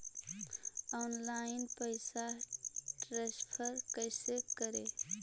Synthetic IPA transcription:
ɔnlaɪnpəɪsaʈɾespʰəɾkəɪsekəɾe

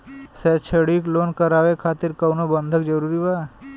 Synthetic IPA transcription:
sɛːt͡ʃʰəɽikloːnkəɾaːʋekʰaːt̪ɪɾkəwnobə̃nd̪ʱəkd͡ʒəɾuːɾibaː

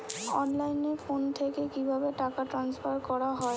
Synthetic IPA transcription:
ɔnlajnefont̪ʰekekibʱabeʈakaʈɾansfaɾkɔɾaɦɔe

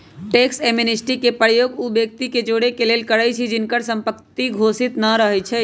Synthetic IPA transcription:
ʈeːkseminɪsʈikepəɾjoːɡubjek̚t̪iked͡ʒoːɽekeleːlkəɾət͡ʃʰid͡ʒɪnkəɾsə̃mpəktt̪iɡʱoːsɪt̪naɾəɦɛt͡ʃʰɛ

